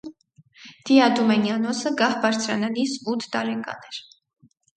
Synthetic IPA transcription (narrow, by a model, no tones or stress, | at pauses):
d̪̥iɑd̪umɛnjɑnɔsəɡɑhbɑɾt͡sʰɾɑnɑnisut̪ʰd̪ɑɾɛŋɡɑ̰nɛɾ